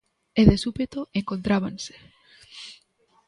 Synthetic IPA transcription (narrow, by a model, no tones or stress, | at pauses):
eðesupet̪oeŋkont̪ɾaβanse̥